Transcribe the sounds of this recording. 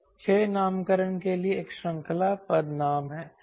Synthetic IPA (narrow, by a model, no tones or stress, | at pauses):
t͡ʃʰeːnaːmkəɾənkelieeːkʃɐ̃ŋkʰlapɐd̪naːmɦɛː